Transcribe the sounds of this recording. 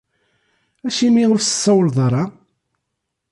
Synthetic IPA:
æʃimiʊɾsə̥sˤːɑwəlðˤɾˤɑ

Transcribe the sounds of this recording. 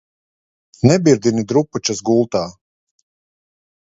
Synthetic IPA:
nɛbiɾd̪ʲinid̪ɾuput͡ʃasɡulˠt̪aː

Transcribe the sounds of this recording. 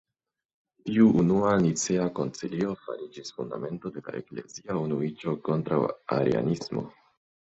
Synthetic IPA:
tiuʔunuanit͡seako̞nt͡silio̞fa̰ɾid͡ʒisfunda̰me̞nto̞de̞la̰ʔe̞̰kle̞̰ziaunuit͡ʃo̞ko̞ntɾawa̰ɾḛa̰nismo̞̰

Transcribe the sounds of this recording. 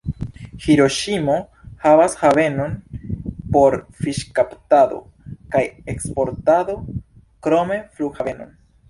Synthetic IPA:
hiɾo̞ʃimo̞ | havashave̞no̞n | po̞ɾfiʃkaptado̞̰ | kajekspo̞ɾtado̞ | kɾo̞me̞fluɡhave̞no̞̰n

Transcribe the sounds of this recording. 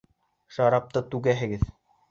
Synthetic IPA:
ʃɑɾɑp̚t̪ɤt̪ʉɡæɦɘ̆ɡɘð

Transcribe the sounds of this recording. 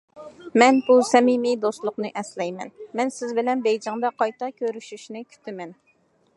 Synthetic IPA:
mɛnbusɛmimijd̪ost̪lˠʊqnɨʔɛslɛjmɛ̰nmɛnsɪzbɪlɛnbɛjd͡ʒɑŋd̪ɑqʰɑjt̪ʰɑkʲʰøɾyʃyʃnɪkʲʰy̥t̪ʰɪmɛn

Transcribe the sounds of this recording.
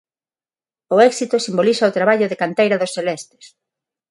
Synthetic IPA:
ʊɛksit̪ʊsimbolisɐot̪ɾaβaʎʊðekant̪ejɾɐðosθelɛst̪ɪ̥s

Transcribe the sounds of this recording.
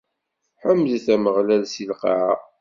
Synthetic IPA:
ħəmːðθæməʁlælsilqɑʕa

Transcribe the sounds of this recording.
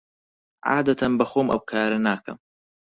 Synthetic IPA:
ʕa̰ːd̪ɐt̪ʰɐnbɐxoːmʔɐ̰wkʰaːɾɐnaːkɐ̰m

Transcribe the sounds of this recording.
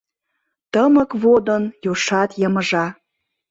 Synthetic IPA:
t̪əmə̆kβod̪ənjoʃɑt̪jəməʒɑ

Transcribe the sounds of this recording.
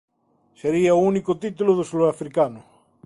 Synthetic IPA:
seɾiaounikot̪it̪uloðosuloafɾikanʊ

